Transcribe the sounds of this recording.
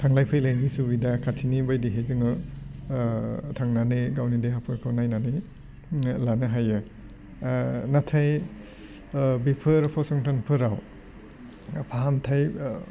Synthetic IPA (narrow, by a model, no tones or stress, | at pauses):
tʰaŋlajpʰɯjlajnisubidakʰatʰinibajdiɦezɯŋɯ | tʰaŋnaneɡawnideɦapʰɯɾkʰawnajnane | lanɯɦajɯ | natʰaj | bipʰɯɾpʰɔsɔŋtʰanpʰɯɾaw | pʰaɦamtʰaj